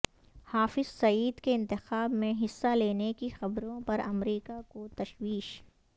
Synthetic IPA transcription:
haːfɪzsɐiːd̪keɪ̃nt̪ɪxaːbmẽɦɪsːaleːnekixɐbɾõpɐɾɐmɾiːkakot̪ɐʃwiːʃ

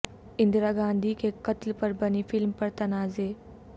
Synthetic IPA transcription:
ɪnd̪ɾaɡãːnd̪ʱiːkekət̪lpəɾbənifɪlmpəɾt̪ɐnaːzeː

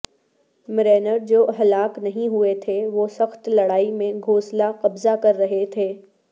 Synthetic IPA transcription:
mɪɾeːnəɾd͡ʒoːɦɐlaːknɐɦĩɦuet̪ʰeʋoːsɐxt̪lɐɽaːimẽɡʱoːslaqɐbzakɐɾːɐɦet̪ʰeː

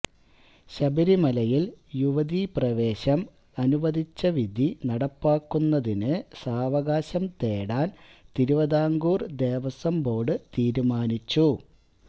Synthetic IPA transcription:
ɕɐbɐɾimɐlɐjiljuʋɐd̪iprɐʋe̞ːɕɐm | ɐnuʋɐd̪ʱit͡ɕːɐʋid̪ʱinɐɽɐpːaːkːunːɐðinɨsaːʋɐɣaːɕɐmt̪eːɽaːnt̪iɾuʋɐðaːŋɡuːrd̪e̞ːʋɐsɐmbo̞ːɽɨt̪iːɾumaːnit͡ɕːu

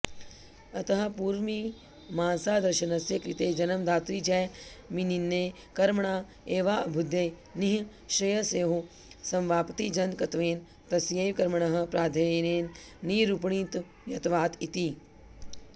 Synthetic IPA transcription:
ɐt̪ɐɦɐ̆puːɾmi | maːnsaːd̪ɐɾʃɐnɐsjɐkɾit̪eːd͡ʒɐnɐmd̪ʱaːt̪ɾiːd͡ʒɛː | mininːeː | kɐɾmɐɳaː | eːʋaːɐbʱud̪ʱːeː | niɦ | ʃɾɐjɐseːɦu | sɐ̃mʋaːpt̪id͡ʒɐnkɐt̪ʋeːn | t̪ɐsjeːkɐɾmɐɳɐɦɐ̆pɾaːd̪ʱɐneːnː | iːɾupɳ̃iːt̪ | ʋjɐt̪ʋaːt̪it̪iː

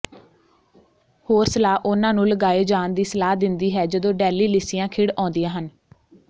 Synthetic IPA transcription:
hoːɾsəlaːʔʊnãːnũːləɡaːeːd͡ʒaːnd̪iːsəlaːd̪ɪnd̪iːɦɛːd͡ʒəd̪õːɖɛːliːlɪsɪjãːkʰɪɽɔ̃ːnd̪ɪjãːɦən

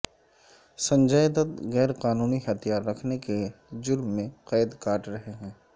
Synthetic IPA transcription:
sɐ̃ɲd͡ʒəjd̪ɐd̪ɣɛːɾqaːnuːniɦɐt̪ʰijaːɾːɐkʰneked͡ʒʊɾmːẽqɛːd̪kaːʈɾɐɦeɦɛ̃ː

